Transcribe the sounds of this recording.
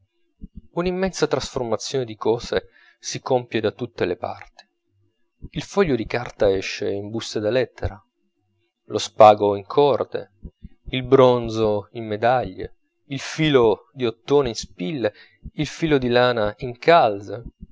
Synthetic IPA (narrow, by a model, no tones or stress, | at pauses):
unimːɛnsat̪ɾasformat̪sːjoːned̪ikɔːse | sikompjed̪at̪ut̪ːelepa̰rt̪i̥ | ilfɔʎːod̪ikart̪aɛʃːeimbust̪ed̪alɛt̪ʰːeɾa | lospaːɡoiŋkʰɔrd̪ḛ | ilbɾonzoimːed̪aʎːḛ | ilfiːlo | d̪iot̪ːoːneinspilːe | ilfiːlod̪ilaːnaiŋkʰalze